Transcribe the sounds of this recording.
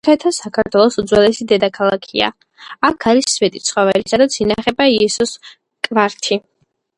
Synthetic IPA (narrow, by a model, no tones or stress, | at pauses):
aɛt̪ʰasakʰaɾt̪ʰwɛlˠɔsud̪zwɛlɛsid̪ɛd̪akʰalˠakʰia̰ | akʰaɾisːvɛt̪ʼit̪sʰχɔvɛlisad̪at̪sʰinaχɛbaiɛsɔs | kʼvaɾt̪ʰi